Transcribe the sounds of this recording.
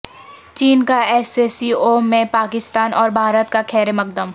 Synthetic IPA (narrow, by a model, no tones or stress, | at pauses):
t͡ʃiːnkaɛːseːsiːomẽpaːkɪst̪aːnʔɔːɾbʱaːɾət̪kakʰɛːɾemɐk̚d̪əm